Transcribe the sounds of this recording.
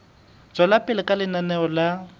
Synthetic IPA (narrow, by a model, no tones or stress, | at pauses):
t͡sʼwalapʼɪlɪkʼalɪnanɛɔla